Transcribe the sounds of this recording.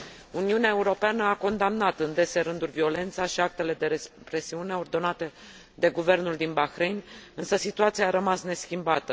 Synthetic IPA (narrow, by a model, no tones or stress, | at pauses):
uniuneaeuɾo̞peanəako̞nd̪amnat̪ɨnd̪e̞se̞ɾɨnd̪ulʲvio̞le̞nt̪saʃiak̚t̪e̞le̞d̪epɾe̞siune̞o̞rd̪o̞nat̪e̞ | d̪e̞ɡuve̞rnuld̪inbaxɾe̞jnɨnsəsit̪uat̪siaːɾəmasne̞skʲimbat̪ə